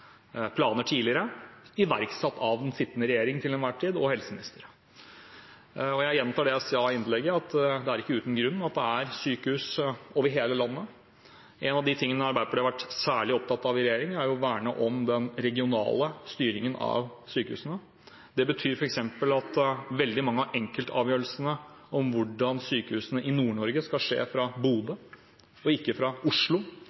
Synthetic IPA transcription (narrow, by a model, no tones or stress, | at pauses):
pʰlɑːnəʈʰiːlɪəɾəɪʋæɾksɛt̪ːɑʋɛnsɪt̪ːnəɾɛjeːɾɪŋt̪ʰɪlɛnʋæʈʰːiːd̪ɔhɛlsəmɪnɪst̪əɾə | ɔjæɪjɛnmt̪ʰɑːɖɛsɑɪnlɛɡːəɑt̪d̪ɛæɾɪkːəʉːt̪n̩ɡɾʉnːɑt̪̚d̪ɛæɾsyːkəhʉːsoːʋəɾɦeːləlɑnːə | ʔɛnɑʋd̪ɪt̪ʰɪŋːənəɑɾbæɪəpɔɖ̪ɛɑʋæʈːsæːɭɪɔp̚t̪ɑt̪ːɑʋɪɾɛjeːɾɪŋæɾjʊʋæːɳəʔɔmd̪ɛnɾɛɡɪʊnɑ̰ːləst̪yːɾɪŋənɑ̰ʋsyːkəhʉ̰ːsənə | d̪ɛbət̪ʰyːɾfɔɾɛksɛmpəlɑt̪ʋɛld̪ɪmɑŋːəɑʔɛŋkəlt̪ʰɑ̰ːʋjøːɾəlsənə | ɔmʋʊɖɑnsyːkəhʉːsənəʔɪnuːɳɔɾɡəskɑlʂḛːfɾɑbuːd̪ə | ɔɪkːəfɾɑʊʂɭʊ